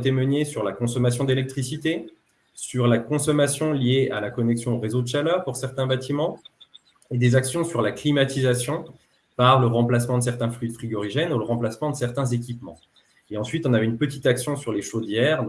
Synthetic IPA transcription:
t̪emənesyʁlakɔ̃sɔmas̬jɔ̃d̪elɛk̚t̪χisit̪e | syʁlakɔ̃sɔmasjɔ̃lijeʔalakɔnɛksjɔ̃oʁezod̪əʃalœːʁpuʁsɛʁt̪ɛ̃bat̪imɑ̃ | ed̪ezaksjɔ̃syʁlaklimat̪izasjɔ̃ | paʁləʁɑ̃plasmɑ̃d̪əs̬ɛʁt̪ɛ̃flyd̪fχiɡɔʁiʒɛnuləʁɑ̃plasmɑ̃d̪əsɛʁt̪ɛ̃zek̬ʲipmɑ̰̃ | eɑ̃sɥit̪ɔ̃navɛynpət̪i̥t̪aksjɔ̃syʁleʃod̪jɛʁ

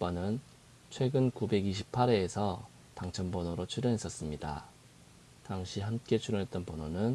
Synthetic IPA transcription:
p͈anɯn | t͡ɕʰwe̞ɡɯnkube̞ɡiɕ̬ʰipʰaɾe̞ːsʰʌ | taŋt͡ɕʰʌnbʌnoɾot͡ɕʰuɾjʌnɦe̞s͈ʌs͈ɯmɲida̰ | taŋɕʰiɦamk͈e̞t͡ɕʰuɾʌɦe̞t͈ʌnpʌnonɯn

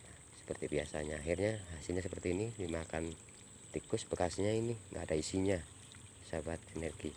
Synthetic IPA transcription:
na | sə̥pərt̪ibiasa̰ɲaːɦirɲaɦasilɲasəpərt̪iːnidimakan | t̪ikʊsəbəkasɲainiŋɡa̰ːdaisiɲa | sabat̪̚inɛrɡi

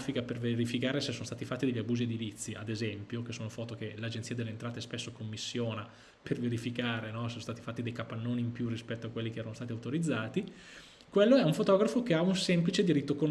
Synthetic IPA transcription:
fikaperveɾifikaːɾesesonost̪at̪ifat̪ːid̪eʎːabuːzied̪ilit̪sːiad̪ezɛmpjok̟esːoːnofɔːt̪okelad͡ʒent̪iːad̪elːeːnt̪ɾaːt̪espesːokomːisːjoːna | pʰerveɾifikaːɾenɔsõn̩st̪aːt̪ifaːt̪ːid̪ejkapːanːoːniːmpjurːispɛt̪ːoakwelːikeɛːɾanost̪aːt̪iawt̪oɾid̪zːaːt̪i | kwelːoɛuɱfot̪ɔːɡɾafokeaunsɛmplit͡ʃed̪iɾit̪ːokon

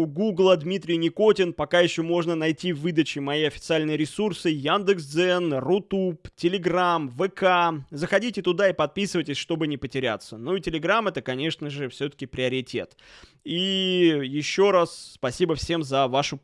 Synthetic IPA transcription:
ʊɡuɡlˠəd̪mʲit̪ɾʲɪjnʲɪko̞tʲɪnpɐkajɪɕːomo̞ʐnənɐjtʲivɨd̪ət͡ɕɪmɐiɐfʲɪt̪sɨalʲnɨjəɾʲɪsursɨjand̪ɨksd̪zɛnrʊt̪uptʲɪlʲɪɡramvɨkazəxɐdʲitʲɪt̪ʊd̪aipɐt̪̚pʲisɨvətʲɪsʲʂt̪o̞bɨnʲɪpətʲɪɾʲa̰t̪sːənoitʲɪlʲɪɡɾamɛt̪əkɐnʲe̞ʂnəʐɨfsʲɵt̪ə̥kʲɪpɾʲɪɐɾʲɪtʲḛt̪ | ijɪɕːo̞ɾasːpɐsʲibəfsʲe̞mzɐvaʂʊ

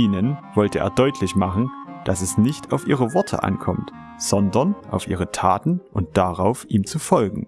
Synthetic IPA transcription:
ʔiːnənvɔltəʔḛːɐdɔʏtʰlɪçmaχn̩d̥asɛsnɪçtʰaʊfʔiːʁ̞əvɔɐtʰə̰ʔa̰nkʰɔmt | z̥ɔndɐnʔa̰ʊfʔḭːʁ̞ətʰaːtn̩ʔʊnt̚d̥aʁaʊfʔiːmt͡sufɔlɡŋ̩

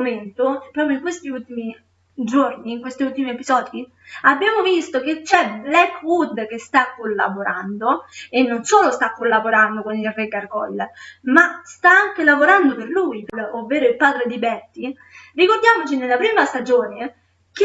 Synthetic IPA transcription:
ment̪opɾɔːpɾjoiŋkwest̪iult̪imi | d͡ʒorniːŋkwest̪iult̪imiepizɔːd̪i | abːjaːmovist̪oket͡ʃːɛblɛkːwud̪k̟est̪akːolːa̰boɾand̪oenːonsoːlost̪akːolːaboɾand̪okonilreɡarɡɔlmast̪aaŋkelavoɾand̪operluːjpovːeːɾoilpaːd̪ɾed̪ibɛrt̪ːi | rikord̪jaːmot͡ʃinelːapɾiːmast̪ad͡ʒoːne | k̟

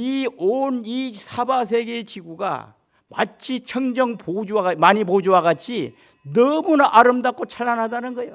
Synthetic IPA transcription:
ionisʰabas̬ʰe̞ɡet͡ɕiɡuɡa̰ | ma̰t͡ɕʰit͡ɕʰʌŋd͡ʑʌŋpod͡ʑuwaamaɲibod͡ʑuwaɡat͡ɕʰi | nʌmunaʔaɾɯmdak͈ot͡ɕʰaɭːanɦadanɯnɡʌjo

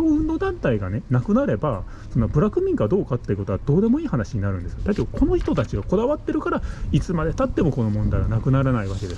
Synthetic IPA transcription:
oɯ̟̃nd̪o̞ːd̪ãnt̪aiɡane̞nakɯ̟naɾe̞ba | so̞nːabɯ̟ɾakɯ̟mʲĩŋɡad̪o̞ːkat̪ːe̞iɯ̟ko̞t̪o̞βad̪o̞ːd̪e̞mo̞iːhanaɕiɲ̟inaɾɯ̟̃nd̪e̞sɨod̪ait̪eoko̞noçi̥t̪o̞t̪at͡ɕiɡako̞d̪aβat̪ːe̞ɾɯ̟kaɾait͡sɨmad̪e̞t̪at̪ːe̞mo̞ko̞no̞mõ̞nd̪aiɡanakɯ̟naɾanaiβake̞d̪e̞s

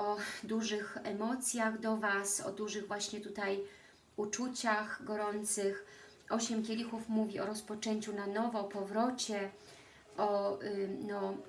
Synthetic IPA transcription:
ɔd̪uʐɘxɛmɔt̪sʲjaɣd̪ɔvasɔ̰d̪uʐɘɣvwaɕɲɛt̪ut̪aj | ut͡ʂut͡ɕaxɡɔɾɔnt̪sɘx | ʔɔɕɛmkʲelʲixufmuvʲiɔɾɔspɔt͡ʂɛɲt͡ɕunanɔvɔːpɔvɾɔt͡ɕɛ | ʔɔ | nɔ

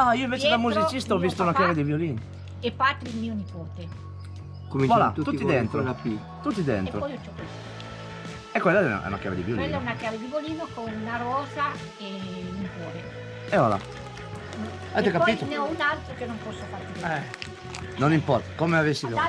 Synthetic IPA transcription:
aioiɱveːt͡ʃed̪amːut͡ʃzit͡ʃist̪aɔvːist̪ounakjaved̪ivjoliːn | epːat̪ːɾilmiːonipoːt̪e | komiɔla̰t̪ut̪uːid̪ent̪ɾopi | t̪ut̪ːid̪ḛnep̪ɾoɔjot͡ʃɔt̪us | ɛkwelːaɛ̰ɛ̰ṵna̰kja̰vḛd̪ivjolwelːaɛunakkjaːved̪ivoliːnokonnaɾɔːza | enipɔoːt̪e | ɛɔla̰ | n | ɛt̪okapɔpit̪oneɔunalt̪ɾokenompɔsːofaɾt̪iɛ | nonimpɔɾt̪akomeavesːi

